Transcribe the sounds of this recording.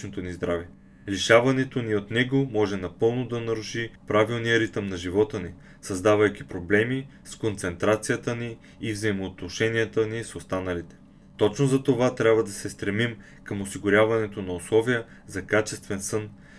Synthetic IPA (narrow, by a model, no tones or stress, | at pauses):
not̪onizd̪ɾavɛ | liʃavɐnɛt̪oniot̪nɛɡomɔʒɛnɐpɤlˠnod̪ɐnɐɾuʃipɾavilˠnijəɾit̪əmnɐʒivɔt̪əni | sɐzd̪avɐjkʲipɾoblɛmi | skont̪sɛnt̪ɾat̪sijət̪əniː | vzɐimoːt̪noʃɛniət̪ənisost̪anɐlit̪ɛ̥ | t̪ɔt͡ʃnozɐt̪ovat̪ɾʲabvɐd̪ɐsɛst̪ɾɛmim | kəmosiɡʊɾʲjavɐnɛt̪onɐoslˠɔvijə | zɐkat͡ʃɛst̪vɛnsɤn